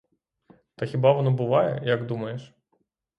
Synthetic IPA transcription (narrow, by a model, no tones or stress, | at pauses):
t̪ɐxʲibɑʋɔnɔbʊʋɑjɛ̰jɐɡd̪umɐjeʃ